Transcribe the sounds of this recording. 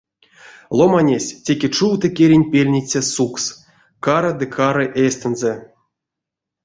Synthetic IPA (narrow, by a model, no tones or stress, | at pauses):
lˠomanʲesʲtʲekʲet͡ʂuwt̪ɨkʲeɾʲinʲpʲelʲnʲit͡sʲasuks | kaɾɨd̪ɨkʰaɾɨʔesʲt̪ɨnzɛ